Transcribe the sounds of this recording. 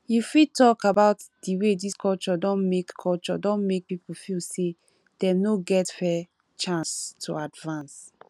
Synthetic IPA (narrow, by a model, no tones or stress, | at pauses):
jufid̚tɔkabaʊtd̥iwediskʰɔlt͡ʃɔdɔ̃nmekʰːɔlt͡ʃɔ̰dɔ̃nmek̚pipufilse | d̥ɛ̃mnoɡɛtfɛ | t͡ʃãnstʰṵadvãns